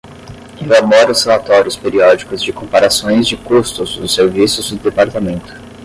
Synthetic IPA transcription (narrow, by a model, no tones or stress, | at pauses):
elabɔɾɐʊshelat̪ɔɾjʊspeɾiɔd͡ʒikʊzd͡ʒɪkõmpaɾasõj̃zd͡ʒɪkust̪ʊzd̪ʊseɾvisʊzd̪ʊd̪epaɾt̪amẽnt̪ʊ̥